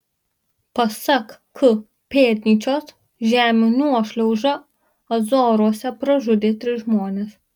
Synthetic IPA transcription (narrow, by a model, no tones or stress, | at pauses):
pɐsɐkkʊ | pʲeːɾʲnʲiːt͡ʃʲoːs | ʒʲæːmʲɪnʲuɔʃʲlʲɛʊʒɐ | ɐzoːɾuɔsʲɛpɾɐʒʊd̪ʲeːt̪ʲɾʲɪsʒmoːnʲeːs